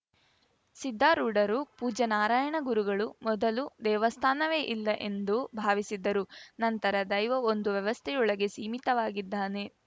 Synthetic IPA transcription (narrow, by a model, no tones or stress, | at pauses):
sid̪ʱːaːɾuːɖɐɾupuːd͡ʒɐnaːɾaːjɐɳɐɡuɾuɡɐɭumɔd̪ɐlud̪ɛːʋɐst̪ʰaːnɐʋe̞ːʔilːɐʔe̞nd̪ubʱaːʋisid̪ːɐɾunɐnt̪ɐɾɐd̪ɐjʋɐond̪uʋjɐʋɐst̪ʰɛjɔɭɐɡe̞siːmit̪ɐʋaːɡid̪ːaːne̞